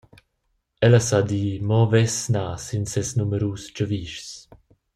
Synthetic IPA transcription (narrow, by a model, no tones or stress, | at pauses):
ɛləsad̪iːmɔvɛsnaːsinsɛsnuməɾuːsd͡ʒəviʃs